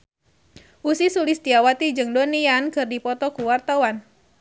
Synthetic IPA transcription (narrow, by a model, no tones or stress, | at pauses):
ʔusisulist̪iawat̪id͡ʒɨŋdɔniankɨrdipɔt̪ɔkuwart̪awan